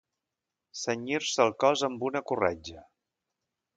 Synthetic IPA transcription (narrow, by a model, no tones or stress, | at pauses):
səɲiɾsəlˠkɔzəmbunəkurɛd͡ʒə